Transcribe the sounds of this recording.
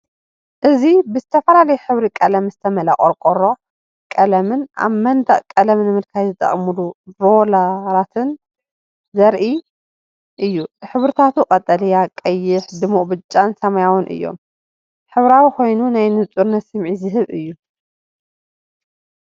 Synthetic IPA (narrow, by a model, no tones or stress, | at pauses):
ʔɨzibɨzɨt̪ʰɐfɐlalɐjħɨβɾikʼɐlɐmzɨt̪ʰɐmɐla̰χʼɐɾkʼoɾo̞ | kʼɐlɐmɨna̰βmɐnd̪ɐʔʼkʼɐlɐmnɨmɨlkʰajzɨt̪ʼɐ̰χʼmuluɾolaɾat̪ʰɨn | zɐɾʔi | ʔɨjːuħɨβɾɨt̪ʰat̪ʰukʼɐt̪ʼːɐlijakʼɐjːɪħd̪ɨmːuʔʼbɨt͡ʃʼːansɐmajawɨnʔɨ̰jːo̞̰m | ħɨβɾawiko̞jnunajnɨt͡sʼuɾnɐt̪sɨmʕizɨɦɨβɨjːu